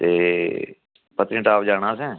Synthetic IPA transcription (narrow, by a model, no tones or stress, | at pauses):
t̪eː | pət̪ɾĩːʈaːpd͡ʒaːɽãːsɛ̃ː